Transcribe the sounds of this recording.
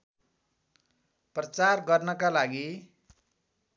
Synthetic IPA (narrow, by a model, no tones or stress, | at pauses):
prʌt͡sarɡʌrnʌkalaɡi